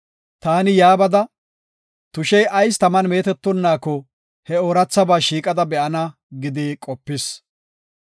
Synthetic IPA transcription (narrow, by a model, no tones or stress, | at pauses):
t̪aːnɪjaːbɐd̪ɐ | t̪ʊʃɛjɐjst̪ɐmɐnme̞ːt̪ɛt̪ːɔnːaːkɔ | hɛoːɾɐt͡sːɐbaːʃiːkʼɐd̪ɐbɛʔɐnɐ | ɡɪd̪ikʼɔpːɪs